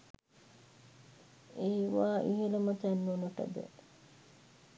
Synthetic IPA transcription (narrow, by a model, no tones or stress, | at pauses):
eiʋaːʔiɦelɐmɐt̪ænːunuʈɐ̰d̪ḛ